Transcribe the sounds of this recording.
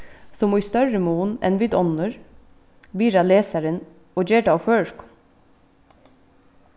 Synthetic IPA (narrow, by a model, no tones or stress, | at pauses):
sɔmuːst̪œɹəmuːnɛ̰nʋɪd̪ɔnəɹ | ʋiːɾɑleːsæɾən | oːd͡ʒeːɖɑːføːʃk